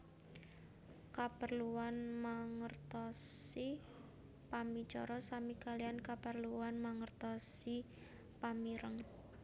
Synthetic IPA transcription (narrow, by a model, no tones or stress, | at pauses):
kapərluwanmaŋərt̪ɔsi | pami̥t͡ʃɔ̰ɾɔsamikaliankapərluwanmaŋərt̪ɔsi | pamiɾəŋ